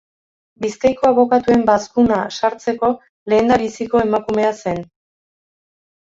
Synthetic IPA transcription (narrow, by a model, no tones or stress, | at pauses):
biskajko̞aβo̞kat̪ue̞mbaskunasaɾt͡se̞ko̞ | le̞ːnd̪aβisiko̞e̞makume̞ase̞n